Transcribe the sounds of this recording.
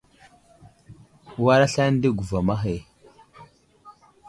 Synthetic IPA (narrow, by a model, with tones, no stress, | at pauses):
wa˦ɾa˦ɬa˦n˦di˦ɡu˨va˨ma˦xe˨